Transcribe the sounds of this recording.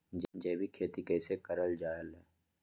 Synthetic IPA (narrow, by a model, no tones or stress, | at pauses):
d͡ʒd͡ʒɛːbʱikʰeːt̪ikɛːsekəɾəld͡ʒaːjəlɦɛː